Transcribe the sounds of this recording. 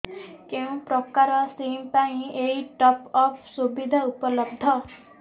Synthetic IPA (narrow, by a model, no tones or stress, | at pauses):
keũpɾɔkaɾɔsimpaĩeiʈɔpɔpʰsubid̪ʱaupɔlɔb̚d̪ʱɔ